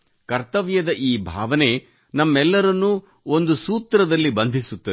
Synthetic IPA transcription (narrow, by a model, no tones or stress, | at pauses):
kɐɾt̪ɐʋjɐd̪ɐʔiːbʱaːʋɐne̞ | nɐmːɛlːɐɾɐnːu | o̞nd̪usuːt̪ɾɐd̪ɐlːibɐnd̪ʱisut̪ːɐ